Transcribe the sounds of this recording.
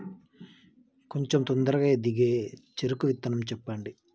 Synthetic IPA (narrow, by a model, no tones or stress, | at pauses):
koɲt͡ʃemt̪ond̪ɐɾɐɡad̪iɡeːt͡ʃeɾukuʋit̪ːɐnɐmt͡ʃɛpːaɳɖi